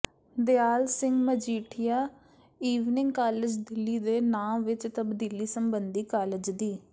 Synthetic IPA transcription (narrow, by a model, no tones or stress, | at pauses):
d̪ɪaːlsɪŋɡməd͡ʒiːʈʰɪjaː | iːʋnɪ̃ŋɡkaːlɪd͡ʒd̪ɪlːiːd̪eːnaːmʋɪt͡ʃt̪əbd̪iːliːsəmbənd̪iːkaːlɪd͡ʒd̪iː